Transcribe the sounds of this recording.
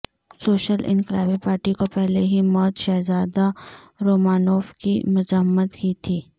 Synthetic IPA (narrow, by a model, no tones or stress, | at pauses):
soːʃəlʔɪ̰̃nqɪlaːbipaːɾʈikopɛɦleɦimɔːt̪ʃɛːzaːd̪a | ɾoːmaːnoːfkḭmʊzəmːət̪kit̪ʰiː